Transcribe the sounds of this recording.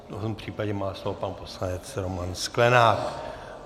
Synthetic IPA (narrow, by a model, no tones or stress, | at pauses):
tot̪ompr̝̥iːpaɟɛmaːslo̞vopanpo̞slanɛt͡sɾomansklɛnaːk